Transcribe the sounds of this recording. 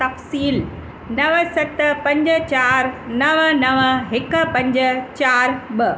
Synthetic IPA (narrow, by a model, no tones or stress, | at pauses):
t̪ɐfsiːl | nɐʋəsɐt̪pɐ̃ɲd͡ʑə̆t͡ɕaːɾnɐʋənɐʋəɦɪkpɐ̃ɲd͡ʑə̆t͡ɕaːɾbə